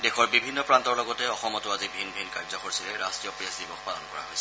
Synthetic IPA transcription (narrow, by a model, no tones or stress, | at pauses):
dexʰɔɹbibʱinːɔpɹantɔɹlɔɡɔtɛɔxɔmɔtʊazibʱinbʱinkaɹzɔxoɹsilɛɹastɹijɔpɹijasdibɔxpalɔ̰nkɔɹa̰ɦojsʰɛ